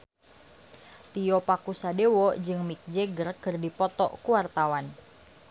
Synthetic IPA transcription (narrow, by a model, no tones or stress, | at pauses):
t̪iɔpakusadewɔd͡ʒɨŋmik̚d͡ʒɛɡərkɨrdipɔt̪ɔ̰ʔkuwart̪awan